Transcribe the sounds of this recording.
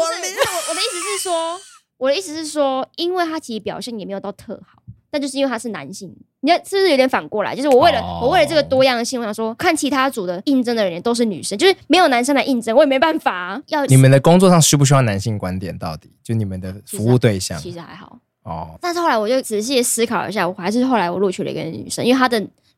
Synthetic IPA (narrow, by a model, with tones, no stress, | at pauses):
wɔ˨˩wɔ˨d̪ə˦i˥˩t͡sɻ̩˧ʂɻ̩˥˩ʂwɔ˥ | wɔ˨˩də˦i˥˩t͡sɻ̩˧˥ʂɻ̩˥˩ʂwɔ˥i˦˥nwe˥˩ɪt̪ʰa˥t͡ɕʰi˧˥i˧˥pjɑ˨˩ʊɕjɛ˥˩njɛ˨˩me˧˥jt̪ɑ˥˩ʊt̪ʰɤ̰˥˩xɑ˨˩˦ʊt̪t͡ɕo˥˧˥wt̪ʰa˥ʂɻ̩˥˩na̰˧˦nɕi˥˩ŋ | i˨˩˥o˧˥t̪ʲn˩fa˨˩nkwɔ˥˩la̰˨˥ɪt͡ɕo˥˧ʊʂ̩˥˧wɔ˨˦we˥˩ɪlə˨wɔ˨˩we˥˩lə˩ʈ͡ʂɤ˥˩ɡə˩t̪wɔ˥jɑ˥˩ŋd̪ə˩ɕi˥˧wɑ˨˩ʂwɔ˦˥kʰa˥˩nt͡ɕʰi˧˥t̪ʰa˥t͡su˨˩d̪ə˦i˥˩nʈ͡ʂə˥ŋə˨ɻə˧˦njə˧˦nt̪o˥ʊʂ̬ɻ̩˥˩ny̰˨˩ʂə˥nt͡ɕjo˥˧ʊʂ̩˩me˧˥ɪjo˨˩na˧˥nʂə˥ŋla˧ɪi˥˩nʈ͡ʂə˥ŋwɔ˧˦jme˧˥ba˥˩nfa˨˩jɑ˥˧ʊni˨˩mə˨nd̪ə˩kʊ˥ŋt͡swɔ˥˧ʂɑ˥˧ŋɕy˥p̬u˥˩ɕ̬y˥jɑ˥˩˨na˧˦nɕi˥˩ŋkwa˦nt̪jɛ̰˨˩nt̪ɑ˥˩ʊt̪i˨˩t͡ɕjo˥˧˩ni˨˩mə˨nd̪ə˩ffu˧˦˧u˥˧t̪we˥˧ɪɕjɑ̰˨ŋt͡ɕʰi˧˥ʂɻ̩˧˥xa˧˦ɪxɑ̰˨˩˦ʊ | ɔ̰˩t̪a˥˧nʂɻ̩˥xo˥˩la˧˥wjo˥˩ʊʈ͡ʂɻ̩˨˩ɕ̬i˥˩jɛ˨˩sɹ̩˥kʰɑ˨˩ʊḭ˥ɕ̬ja˥˩wɔ˨˩xa˧˥ɪʂɻ̩˥˧˥xo˥˩ʊla˧ɪwɔ˨˩lu˥˧t͡ɕʰy˥˩lə̰˨˧ḭ˧˥ɡə̰˧ny̰˨˩ʂə˦nʔwe˥˧˩t̪a˥d̪ə˨